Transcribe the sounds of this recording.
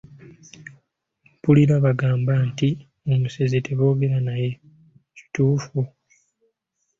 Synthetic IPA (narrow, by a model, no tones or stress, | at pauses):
puliɾaβaɡaːmbanti | omusezetʰe̞βo̞ːɡe̞ɾanaje̞ | ci̥tuːfu